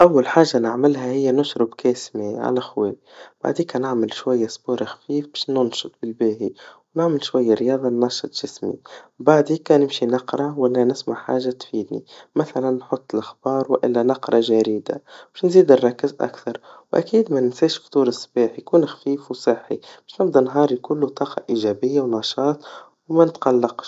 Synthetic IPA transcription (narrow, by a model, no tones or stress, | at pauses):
ʔawːalħaːʒːanɪʕmɪlhahɪjːanʊʃɾɪbkaːsmeʕa̰laxweːwib̥a̰ʕd̪iːkanɪʕmɪlʃwajːasboːɾaxḁfiːfbaːʃnʊnʃʊt̪̚ˤbɪlbeːhiwnɪʕmɪlʃwajːaɾɪjɑːðˤɑnːɑʃɨt̪ˤʒ̥ɪsmḭbaʕd̪ikanɪmʃinɑqɾˤɑwalːanɪsmaʕħa̰ːʒːat̪fiːd̪nḭmaθalanːħʊt̪ˤːɪlʔaxbɑːɾˤwʔɪ̰lːanɑqɾˤɑʒaɾiːd̪a̰b̥aʃnziːd̪ɪrˤːɑkːɪzʔa̰kθɑɾˤwʔa̰kiːd̪manɪnsiːʃft̪ˤuːɾɪsˤːbiːħjkuːnxḁfiːfwsˤɨħːib̥aːʃnɪbd̪ɑnɦɑːɾˤikʊlːut̪ˤɑːqɑ̰ʔiʒaːbɪjːawnɑʃɑːt̪ˤ | wmanɪt̪qalːɑqʃ